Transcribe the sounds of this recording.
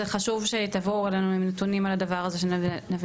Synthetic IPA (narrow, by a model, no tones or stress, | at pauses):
eχaʃuvʃe̞t̪avoelenuimnetunimaladavaʁaze̞ʃenavi